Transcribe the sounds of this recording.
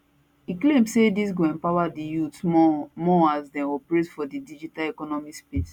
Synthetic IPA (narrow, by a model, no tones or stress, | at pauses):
iklẽmsedisɡɛ̃npawadijutmɔasdãnɔpɹetfɔdidid͡ʒitalɛkɔnɔmispes